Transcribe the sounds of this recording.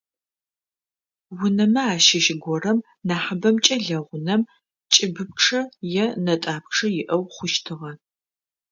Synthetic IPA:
wʊnɐmɐaːʃɪʃɪɡʷɔrɐm | naːħɐbɐmt͡ʃʼɐɮɐʁʷʊnɐm | t͡ʃʼɪbɨp̚ʈ͡ʂʰɐjɛnɐtʼaːpʈ͡ʂʰɐjɪʔɐwχʷʊʃtʰɨʁɐ

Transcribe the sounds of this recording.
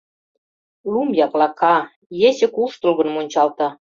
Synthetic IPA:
lumjɑklɑkɑ | jesĕkuʃt̪ulɣɤ̆nmonʲt͡ɕɑlt̪ɑ

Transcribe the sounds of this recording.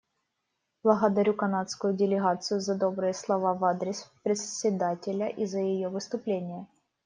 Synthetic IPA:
b̥lˠəɣəd̪ɐɾʲukɐnat̪skʊjʊdʲɪlʲɪɣat̪sɨjʊzɐd̪o̞bɾɨjəslˠɐvavad̪ɾʲɪspɾʲɪt̪sʲɪd̪atʲɪlʲəʔizəjɪjovɨst̪ʊplʲenʲɪjə

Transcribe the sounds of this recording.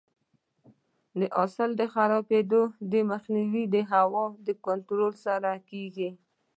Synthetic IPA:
d̪əʔɑsɪld̪əxaɾɑped̪od̪əməxniwid̪əɦawɑd̪əkʊnt̪ɾolsaɾakeɡi

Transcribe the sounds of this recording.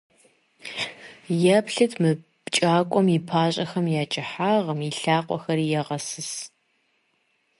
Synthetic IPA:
jɛpɬɨtʰmɨ | t͡ʃʼaːkʷʼɔmipʰaːɕʼɐxɐmjaːt͡ʃʼɪħaːʁɐmiɬaːqʷʼɔxɐɾiːjɛʁɐsɨs

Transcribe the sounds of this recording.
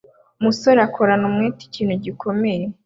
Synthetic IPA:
musoɾakʰoɾanumŋiːti̥ciːn̥huɟikʰo̞meje

